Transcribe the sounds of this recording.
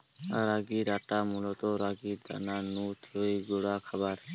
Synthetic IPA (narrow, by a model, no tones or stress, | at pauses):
a̰ɾaɡiːɾaːʈaːmulot̪oɾaɡiːd̪a̰naːnuːt̪ʰɾoiɡoɽaːkʰəbaɾ